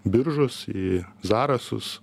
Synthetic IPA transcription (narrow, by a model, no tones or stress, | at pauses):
bʲɪɾʒʊsizɑːɾɐsʊ̰s